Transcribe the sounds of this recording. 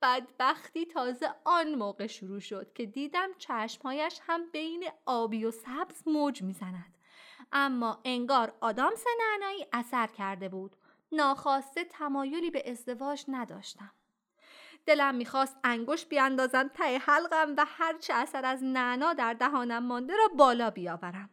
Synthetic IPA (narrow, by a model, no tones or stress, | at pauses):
b̥æd̪bæxt̪iːt̪ʰɒːze̞ɒnmoːɣe̞ʃuɾuːʃo̞d̪̥cʰe̞d̪iːd̪æmt͡ʃʰæʃmhɒːjæʃhæmbejne̞ɒːbiːjosæbz̥moːd͡ʒmiːzænæd̪̥ | ʔæmːɒːʔe̞ŋɡɒːɾɒːd̪ɒːmsenæʔnɒːiːʔæsæɾcʰæɾd̪e̞buːd̪̥ | nɒːxɒːst̪e̞t̪ʰæmɒːjo̞liːbe̞ʔezd̪e̞vɒːd͡ʒnæd̪ɒ̰ːʃt̪æm | d̪̥e̞læmːiːxɒːst̪æŋɡo̞ʃbiænd̪ɒːzæmt̪ʰæehælɢæmvæhæɾt͡ʃʰeæsæɾæznæʔnɒːd̪æɾd̪æɦɒːnæmːɒːnd̪eɾɒːbɒːlɒːbijɒːvæɾæm